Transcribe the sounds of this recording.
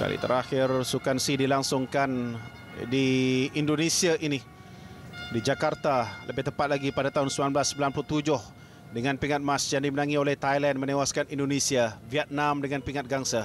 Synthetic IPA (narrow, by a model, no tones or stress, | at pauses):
ka̰lḭt̪ə̰ɾaxɪrsukansidilaŋsʊŋkan | diindonẽsiaʔini | did͡ʒakart̪aləbɪht̪əmpat̪̚laɡipadat̪aɦʊnsəmbilanblasːəmbilanplʊt̪ud͡ʒʊh | dəŋãnpiŋat̪̚mãsjaŋdimənãŋiolɛht̪ajlɛnmə̃nẽwaskanindonẽsiaviat̪̚nãmdəŋãnpiŋat̪̚ɡaŋsa